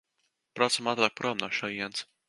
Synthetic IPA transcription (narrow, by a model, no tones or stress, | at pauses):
pɾɔt̪samat̪ɾaːk̚pɾɔmnaʃajɛns